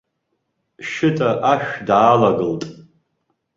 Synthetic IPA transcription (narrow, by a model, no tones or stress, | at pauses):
ʃɪtʼaʔaʃᶣdaːlaɡɨltʼ